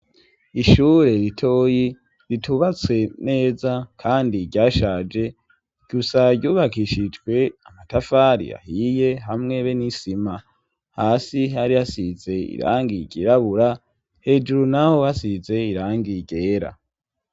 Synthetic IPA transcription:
iʃuːɾe̞ɾitʰo̞ːji | ɾitʰuβat͡swe̞ne̞ːzakʰaːndiɟaːʃad͡ʒe̞ | ɡ̥usaɡɟuːβakiʃid͡ʒɡwe̞amatafaɾḭja̰hije̞ɦamŋe̞βenisima | haːsiɦaɾijasize̞ḭɾa̰ːŋɡiɟḭɾaβuɾa | he̞ːd͡ʒuɾunaho̞hasize̞iɾaːŋɡiɟe̞ːɾa̰

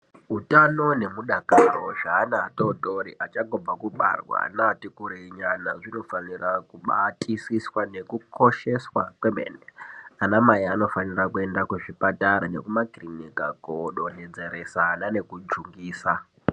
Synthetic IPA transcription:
ɦutano̞ne̞muɗakaroʐaːnaːtotoɾiʔat͡ʃaɡʱob͡vakuɓa̰rwa̰natikuɾiɲana̰ʐino̞fanirakuɓatʰisiswane̞kukʰo̞ʃe̞swakwemḛneanamajiano̞fanirakue̞ndakuʐipataɾane̞̰kumakrinika̰koɗo̞ned͡ze̞ɾe̞sanane̞kud͡ʒuŋɡiːsa

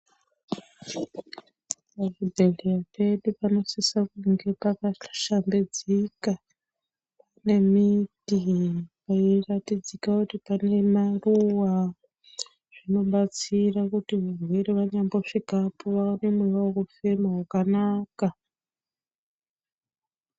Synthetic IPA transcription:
paʐibʱeɮiape̞ɗupano̞sisakuŋɡe̞pakaʃambed͡zika | pane̞mitipairatid͡zikakutipane̞maruwa | ʐ̥ino̞ɓat͡sirakutiʋarweɾiʋaɲambo̞ʂikapoʋano̞mwewakufemaɦakanaːka

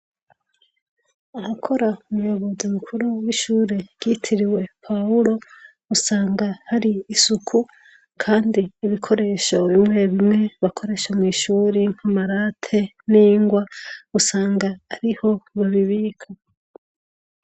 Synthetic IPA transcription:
ahakʰo̞ɾaumujoβo̞zimukʰuɾuwiʃuːɾe̞ɡ̥ɟ̥itʰiɾiwe̞pʰauɾo̞ | usaːŋɡahaɾiːsukʰu | kʰaːndiːβikʰo̞ɾe̞ʃo̞βimŋe̞βimŋe̞βakʰo̞ɾe̞ʃomŋiːʃuːɾiŋ̥hamaɾaːtʰe̞ | niːŋɡwausaːŋɡaːɾiho̞βaβiβiːkʰa

